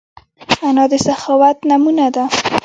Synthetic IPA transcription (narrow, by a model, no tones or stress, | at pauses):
anɑd̪əsaxɑwat̪namunad̪a